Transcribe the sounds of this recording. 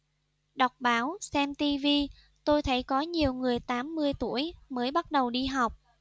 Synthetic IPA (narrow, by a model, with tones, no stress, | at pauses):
ɗɔ˨˩wk͡p̚ɓaː˨˦wsɛ˧mt̪i˧vi˧ | t̪o˧jt̪ʰə̰˧˩jkɔ˨˦ɲi˨˩əwŋɨ˨˩əjt̪aː˨˦mːɨ˧əjt̪ṵ˧˥˨əjməː˨˦jɓa˦˥t̚ɗə˨˩wɗi˧ɦa˨˩wk͡p̚